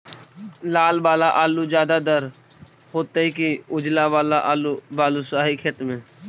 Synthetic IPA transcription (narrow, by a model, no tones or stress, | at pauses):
laːlbaːlaʔaːlud͡ʒaːd̪ad̪əɾ | hoːt̪əikiʊd͡ʒlabaːlaʔːlubaːlusaːɦikʰet̪mẽː